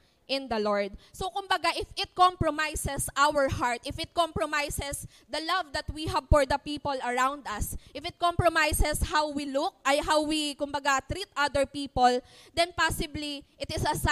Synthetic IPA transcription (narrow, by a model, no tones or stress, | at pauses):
ʔɪ̃nd̪ɐloɹd̪̚sokʊmbɐɡaʔɪfɪt̪̚kɔ̃mpɹɔmajsɛsʔawəɹhaɹt̪ʔɪfɪt̪̚kɔ̃mpɹɔmajsɛs | d̪ɐlɐvd̪ɐt̪wiɦabfɔɹd̪ɐpiːpɔlɐɹawnd̪ɐsʔɪfɪt̪̚kõmpɹomajsɛshawwilʊk̚ʔɐjɦawwikʊmbɐɡat̪ɾit̪ʔad̪ɛɹpiːpold̪ɛnpasɪbliʔɪt̪ɪsɐs